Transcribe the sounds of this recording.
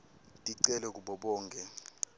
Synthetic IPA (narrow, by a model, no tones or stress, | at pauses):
tʼiǀɛlɛk̬uɓɔɓɔːŋkʰʼɛ